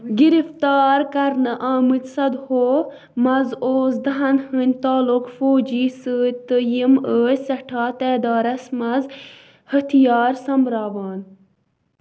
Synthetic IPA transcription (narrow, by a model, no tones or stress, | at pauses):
ɡiɾift̪aːɾkɐɾnɐʔaːmɨt̪sɐd̪hoː | mɐzoːsd̪ɐɦɐnhɨnʲt̪aːlukfoːd͡ʒiːsəːt̪əjiməːsɐʈʰaːt̪ɛːd̪aːɾɐsmɐz | hɐt̪ʰijɑːɾsɐmɾaːʋaːn